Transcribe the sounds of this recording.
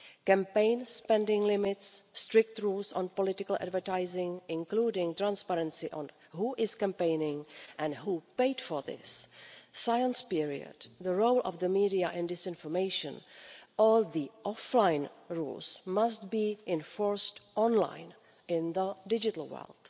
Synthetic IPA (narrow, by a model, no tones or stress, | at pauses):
kɛ̃mpẽɪ̃nspɛ̃ndɪ̃ŋlɪmɪtsːtɾɪk̚t̪ɹuːlsɔ̰̃npɔlɪtɪkəl̩ʔa̰dvə˞taɪzɪ̃ŋɪ̃nkluːdɪ̃ŋt̪ɹãnspaɾɛ̃nsiʔɔ̃n | ɦuʔɪz̥kɛ̃mpẽɪnɪ̃ŋʔɛ̃ndɦuːpeɪdfɔɹðɪ̰sː | ajə̃nspɪɹḭə̰dðəɹowlˠʔɔ̰vðəmiːdiaʔɪ̃ndɪsɪ̃nfɔɹmeɪʃə̰̃nʔɔlðiʔɔflãɪnɹṵːlsmast̚biːʔɪ̃nfɔɹstʔɔ̃nlã̰jn | ɪ̃nðədɪd͡ʒɪtl̩ˠwɜ̰ld̥